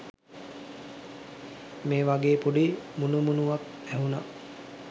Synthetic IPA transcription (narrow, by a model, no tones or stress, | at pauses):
meːʋaɡeːpuɖimunumunuʋak̚ | æɦuna̰